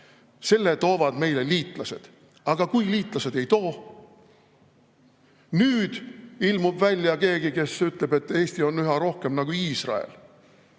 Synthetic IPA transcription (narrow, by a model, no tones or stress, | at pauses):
se̞lːet̪o̞ːvɑd̪̥me̞jleliːt̪ˑlɑse̞̰d̪̥ | ɑɡ̥ɑkujliːt̪ˑlɑse̞d̪̥e̞jt̪o̞ː | nyːd̪̥ilmub̥vælʲjɑke̞ːɡike̞syt̪le̞be̞t̪ːe̞ːst̪io̞nyɦɑɾo̞hke̞mnɑɡ̥uiːsrɑ̰ḛl